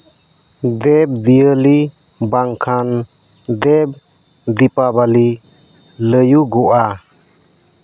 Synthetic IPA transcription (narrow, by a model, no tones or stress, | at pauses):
d̪ɛb̚d̪ijəli | baŋkʰan | d̪ɛb̚ | d̪ipabali | ləjuɡɔʔa